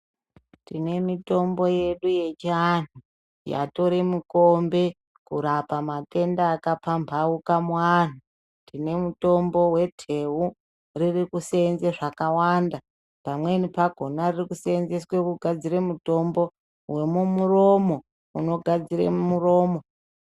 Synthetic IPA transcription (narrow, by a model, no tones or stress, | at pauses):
tine̞mito̞mbo̞je̞ɗuje̞t͡ʃan̤u | ja̰to̞ɾimukombe̞ | kuɾapamate̞ndaːkapambʱaukamuan̤u | tine̞muto̞mbo̞we̞tʰe̞ɦu | ririkusenzeʐakawanda | pamwe̞nipaɡʱo̞naririkusenzeswekuɡʱad͡ziɾemuto̞mbo̞ | we̞mumuro̞mo̞ | uno̞ɡʱad͡zirḛmumuro̞ːmo